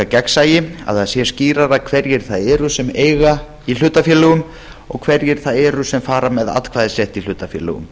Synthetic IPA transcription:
acɛksaːjɪa̰ðhaðsjɛ̥sciːɾaɾakʰvɛɾjɪɾ̥θaðɛːɾʏsɛmeːjɣa | il̥ʏːt̪afjɛlʏɣʏm | ɔɣkʰvɛɾjɪɾ̥θaðɛːɾʏsɛmfaːɾamɛða̰t̪kʰvaːðɪsɛht̪il̥ʏːt̪afjɛlɛ̰ɣʏ̰m

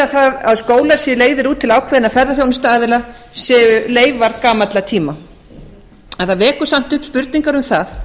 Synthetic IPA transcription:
aθaðaðskoːwlasjɛleːjðɪɾuːt̪ʰːɪlaːwkʰvðɪnafɛɾðaθjownʏst̪aaːðɪla | sɛːʏleːjvaɾkaːmat̪lat̪ʰiːma | aðθaðvɛːkʏsam̥t̪ʏhpspʏɾt̪niŋkaɾʏmθaθ

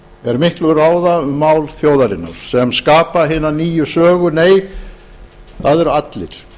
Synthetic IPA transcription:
ɛɾmɪhk̪lʏraːwðaʏmːaːwlθjoːwðaɾɪnːa̰ɾ̥sɛmskaːpaɦɪːnːaniːjʏsœːɣʏneːj | θaðɛɾat̪lɪ̰ɾ̥

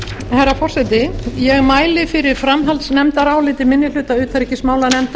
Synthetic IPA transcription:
hɛɾafɔr̥sɛt̪ɪjɛɣmaːjlɪfɪɾɪɾ̥fɾamɦalt̪snɛmt̪aɾaːwlɪːt̪ɪmɪnːɪl̥ʏːt̪aʏːt̪θaɾɛhcɪsmaːwlanɛmt̪

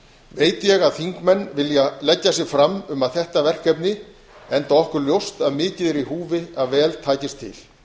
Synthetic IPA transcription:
veːjt̪jɛɣaðθiŋkmɛnːvɪljalɛcːas̬jɪɣfɾamːʏmaðθɛht̪avɛr̥kɛpnɪ | ɛnt̪aɔhkʏɾljowst̪aðmɪːcɪðɛɾiɦuːvɪaðvɛːlt̪ʰaːjcɪst̪ʰːɪ̰l

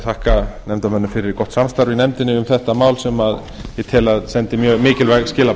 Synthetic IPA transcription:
θʰahkanɛmt̪amɛnːʏfɪɾɪɾikɔht̪samst̪aɾvɪnɛmt̪ɪnːɪʏmθɛht̪amaːwlsɛmað | jɛt̪ʰɪːlaðsɛnt̪ɪmjœːɣmɪːcɪlvaɣscɪːla

